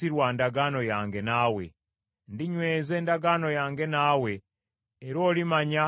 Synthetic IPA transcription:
iɾwandaɡano̞jaːŋɡe̞nawe̞̰ | ndiɲweːze̞ːndaɡano̞jaːŋɡe̞naːwe̞ː | ɾo̞ːlimaɲa

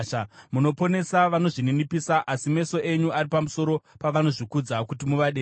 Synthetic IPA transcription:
amuno̞po̞ne̞saʋano̞ʐininipisaʔasime̞so̞ʔe̞ɲuʔaɾipamuso̞ɾopaʋano̞ʐikud͡zakutimuʋaɗe

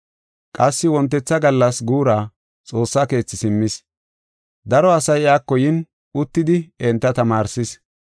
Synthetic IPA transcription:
kʼɐsːɪwɔnt̪ːɛt͡sːɐɡɐlːɐsɡuːɾaː | t͡sʼo̞ːsːaːke̞ːt͡sːɪsɪmːɪs | d̪ɐɾɔɐsɐjɪaːkːɔjɪn | ʊt̪ːɪd̪ɪɛnt̪ːɐt̪ɐmaːɾsɪs

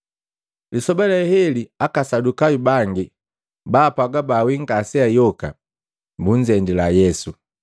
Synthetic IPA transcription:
lisɔbɛlɛhɛliakasadukaubaŋɡi | baːpaɡabawiŋɡasɛajɔka̰ | buɲd͡ʒɛndilajɛsu

